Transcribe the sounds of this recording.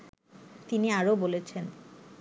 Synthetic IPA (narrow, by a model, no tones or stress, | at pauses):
t̪iniaɾobolet͡ɕʰen